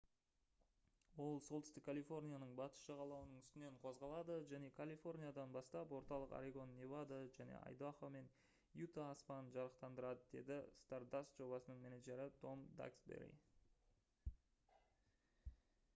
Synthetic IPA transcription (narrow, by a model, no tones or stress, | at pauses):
wo̞lˠso̞lˠt̪ʏst̪ɪkʰːalʲifo̞rnʲijanəɴbɑt̪ə̥sʃɑʁɑlˠɑwənəɴʏst̪ɪne̞ɴqʰo̞zʁɑlˠɑd̪əʒæne̞kʰalʲˠifo̞rnʲijad̪ɑnbɑst̪ɑpwo̞ɾt̪ɑlˠəqa̰ɾeɡo̞nːevad̪aʒæne̞̰ʔɑ̰jd̪aχome̞n | jut̪aːspɑnənʒɑɾəqt̪ɑnd̪əɾɑd̪əd̪e̞̰d̪ɪst̪ard̪ast̪ʒo̞bɑsənəɴme̞naʒe̞ɾɪt̪ʰo̞md̪a̰ksbḛɾḭ